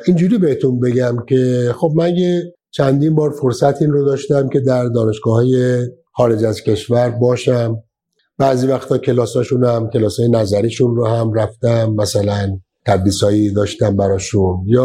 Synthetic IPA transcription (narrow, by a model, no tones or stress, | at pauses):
ʔind͡ʒuːɾiːbehet̪ʰunbe̞ɡæmcʲʰe̞xo̞b̚mænje | t͡ʃʰænd̪iːnbɒːɾfo̞ɾsæt̪ʰiːnrod̪ɒːʃt̪æmcʲʰe̞d̪æɾd̪ɒːne̞ʃɡɒːhɒːje | xɒːɾe̞d͡ʒæzcʰʲe̞ʃvæɾbɒːʃæm | bæːziːvæxt̪ʰɒːcʰe̞lɒːsɒːʃunhæmcʲʰe̞lɒːsɒːjenæzæɾiːʃunrohæmɾæft̪æmːæsælæn | t̪ʰæd̪ɾiːsɒːjid̪ɒːʃt̪æmbæɾɒːʃunjɒː